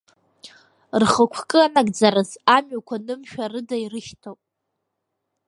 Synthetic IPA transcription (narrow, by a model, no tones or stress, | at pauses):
rχəkʷʰkʼɨanaɡd͡zaɾɨzamɥakʷʰanɨmʃᶣarɨdairɨʃtʰowpʼ